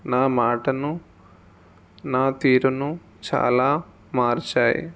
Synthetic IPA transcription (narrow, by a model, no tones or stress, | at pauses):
naːmaːʈɐnu | naːt̪iːɾunu | t͡ʃa̰ːlaː | maːɾt͡ʃaːjḭ